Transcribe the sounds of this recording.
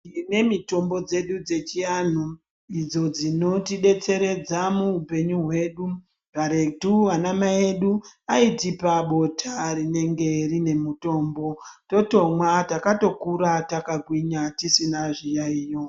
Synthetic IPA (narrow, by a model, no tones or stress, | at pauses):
ine̞mito̞mbo̞d͡ze̞ɗud͡ze̞t͡ʃijan̤u | id͡zo̞d͡zino̞tiɗe̞t͡se̞ɾe̞d͡zamuupe̞ɲuɦwe̞ɗu | paɾe̞tuanamaeɗuaitipaɓo̞tʰarine̞ŋɡe̞rine̞muto̞ːmbo̞to̞to̞mwatakato̞kuɾatakaɡʱwiɲatisinaʐijaiːjo̞